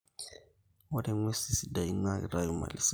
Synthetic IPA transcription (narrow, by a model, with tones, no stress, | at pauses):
wa˦dɛ˨ŋwe˦si˨si˨da˨i˦ŋa˦ḭ˨ra˦jɔ˨ma̰˨lɪ˨s